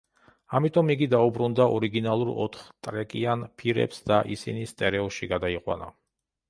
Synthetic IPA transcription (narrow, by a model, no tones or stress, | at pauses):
amit̪ʼɔmiɡid̪aubɾund̪aʔɔɾiɡinalˠuɾɔ̰t̪ʰχt̪ʼɾɛkʼianpʰiɾɛ̰psd̪aʔisḭnist̪ʼɛɾɛɔʃiɡad̪aiqʼwa̰na̰